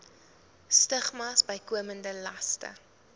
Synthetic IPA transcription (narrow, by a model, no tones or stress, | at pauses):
stəχmɑsbəjkuəməndəlɐstə̰